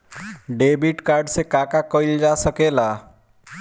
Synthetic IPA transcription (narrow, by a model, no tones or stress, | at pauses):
ɖebiʈkaɾɖsekãkakəɪld͡ʒasəkela